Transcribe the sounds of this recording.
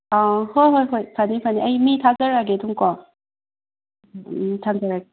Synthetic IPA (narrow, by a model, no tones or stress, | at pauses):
ahojɦojɦojpʰanipʰaniʔajmit̪ʰazəɾaɡet̪ʰuŋkɔ | t̪ʰanzaɾaɡe